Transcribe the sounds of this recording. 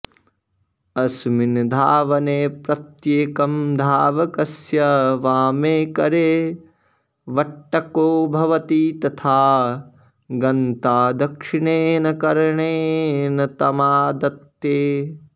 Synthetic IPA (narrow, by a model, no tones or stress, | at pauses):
ɐsmind̪ʱaːʋɐneːpɾɐt̪jeːkɐmd̪ʱaːʋɐkɐsjɐʋaːmeːkɐɾeː | ʋɐʈːɐkoːbʱɐʋɐt̪iːt̪ɐt̪ʰaː | ɡɐnt̪aːd̪ɐkʂiɳeːnɐkɐɾɐɳeːnɐt̪ɐmaːd̪ɐt̪ːjeː